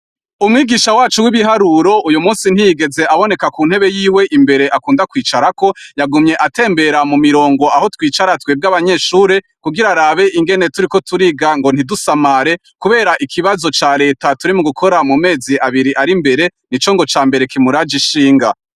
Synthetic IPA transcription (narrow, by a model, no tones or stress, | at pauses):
umŋiːɡiːʃawaːt͡ʃuwiβiɦaɾuɾo̞ʔujumuːnsin̥hijiɡe̞ze̞ʔaβo̞ne̞kakuːn̥he̞βe̞jiːwe̞ʔimbe̞ɾe̞ʔakuːndakwiːt͡ʃaɾako̞jaɡumɲe̞ʔate̞ːmbe̞ɾamumiɾo̞ːŋɡo̞aho̞twiːt͡ʃaɾatweːb̚ɡaβaɲe̞ʃuːɾe̞ | kuɡiɾaɾaːβe̞ʔiŋɡe̞ne̞tuɾiko̞tʰuɾiɡaŋɡo̞n̥idusamaɾe̞ | kuβe̞ːɾaʔikʰiβazo̞t͡ʃaːɾe̞ːtatuɾimuɡukʰo̞ɾamume̞ːziʔaβiɾiʔaɾimbe̞ɾe̞nit͡ʃo̞ŋɡo̞t͡ʃaːmbe̞ɾe̞kimuɾad͡ʒiʃiːŋɡa